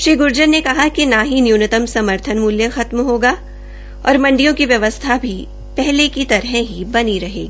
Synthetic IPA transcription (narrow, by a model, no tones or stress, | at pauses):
ʃɾiːɡʊɾd͡ʒənːekɐɦakinaɦinjuːnət̪əmsɐməɾt̪ʰənmuːljəxɐt̪mɦoːɡaː | ɔ̰ːɾmɐ̃ɳɖijõkiʋjɐʋəst̪ʰabʱi | pɛɦlekit̪ɐɾɦɛ̃ɦibɐniɾɐɦḛːɡiː